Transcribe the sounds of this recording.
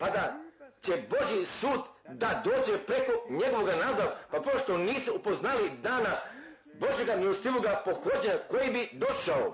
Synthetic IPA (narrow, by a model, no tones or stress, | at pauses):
pad̪at͡ɕe̞bo̞ʒjisuːd̪d̪ad̪o̞ːd͡ʑe̞pɾe̞ko̞ɲe̞ɡo̞ʋo̞ɡanaːd̪apapɾooʃt̪oniːsuupo̞znalid̪aːna | bo̞ʒjeɡamilost̪iʋoɡapo̞xo̞d͡ʑako̞jibid̪o̞ʃao